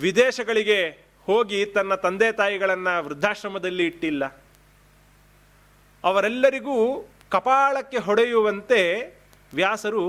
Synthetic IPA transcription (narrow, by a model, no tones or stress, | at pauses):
ʋid̪ɛːʃɐɡɐɭiɡe̞ | hoːɡit̪ɐnːɐt̪ɐnd̪eːt̪aːjiɡɐɭɐnːɐʋɾɪd̪ʱːaːʃɾɐmɐd̪ɐlːiːʈːilːɐ | ɐʋɐɾɛlːɐɾiɡuː | kɐpaːɭɐkːe̞ɦɔɽejuʋɐnt̪e̞ | ʋjaːsɐɾu